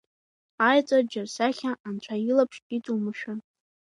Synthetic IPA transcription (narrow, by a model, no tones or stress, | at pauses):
ajt͡sʼard͡ʒɪrsaχʲaʔːnt͡ɕʷʰailapʰʂkʼitʼumɨʃᶣan